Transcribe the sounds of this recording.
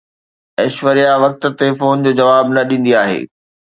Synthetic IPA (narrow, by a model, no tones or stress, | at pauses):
ɛːʃʋəɾijaʋɐk̚t̪̆t̪efoːnd͡ʑoːd͡ʑɐʋaːbnɐɗĩːn̆d̪iaːɦḛː